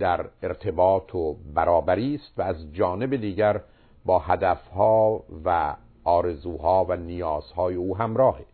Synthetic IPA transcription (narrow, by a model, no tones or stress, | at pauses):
d̪æɾe̞ɾt̪ʰe̞bɒːt̪ʰobæɾɒːbæɾiːst̪vææzd͡ʒɒːne̞bed̪iːɟæɾ | bɒːhæd̪æfhɒːvæ̰ | ʔɒːɾe̞zuːhɒːvænijɒːz̥hɒːjeuːɦæmɾɒːhe